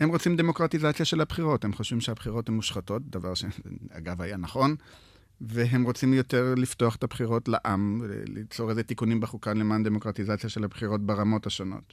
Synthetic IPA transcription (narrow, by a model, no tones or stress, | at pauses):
hemʁo̞t͡simd̪e̞mo̞kʁatizat͡sjaʃe̞lhabχiʁo̞themχoʃvimʃeabχiʁo̞themːuʃχato̞t̚d̪avaʁʃea̰ɡavajanaχo̞n | veɦemʁot͡simjo̞t̪e̞ʁlifto̞aχet̪abχiʁo̞tlaʔamv̰lḭt͡soʁezet̪ikunimbeχukanlemand̪emo̞kʁat̪izat͡sjaʃe̞lhabχiʁo̞t̚beʁamo̞thaʃono̞̰t